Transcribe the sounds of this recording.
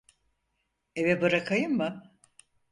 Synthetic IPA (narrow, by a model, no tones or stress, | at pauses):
evɛbɯɾakʰajɯmːɯ